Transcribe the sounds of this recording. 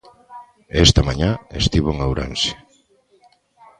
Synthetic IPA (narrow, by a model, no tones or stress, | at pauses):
est̪amaɲaest̪iβ̞oeŋawɾa̰nʃe̥